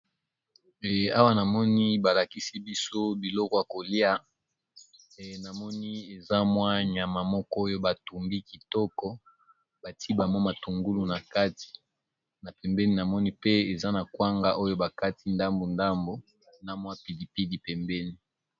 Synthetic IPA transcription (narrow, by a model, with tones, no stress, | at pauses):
ɛ˨a˦wa˦na˨mɔ˦ni˦ba˨la˨ki˦si˦bi˦so˦bi˨lɔ˦kɔ˦ja˨ko˨li˦a˦˨ | na˨mɔ˦ni˦e˨za˦mwa˦ɲ˨a˨ma˨mɔ˦kɔ˦o˦jo˦ba˨tu˨mbi˦ki˨tɔ˦kɔ˦ | ba˨tʰi˦ba˨mɔ˦ma˨tu˨ŋɡu˦lu˨na˨ka˦ti̥˨ | na˨pɛ˨mbɛ˦ni˦na˨mɔ˦ni˦pe˦e˨za˦na˨kwa˦ŋɡa˦ʔo˦jo˦ba˨ka˦ti˦nda˦mbo˨nda˦mbo˨ | na˨mwa˦pi˨di˨pi˦di˨pɛ˨mbɛ˦ni˦